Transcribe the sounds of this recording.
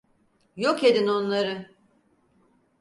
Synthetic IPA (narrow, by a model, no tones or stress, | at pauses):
joke̞d̪ino̞nlˠaɾɯ